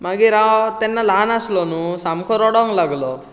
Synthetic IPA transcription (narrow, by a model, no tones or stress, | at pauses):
maɡiɾat̪ɛnːalaːnaslɔnusamkʰɔɾɔɽɔŋɡlaɡlɔ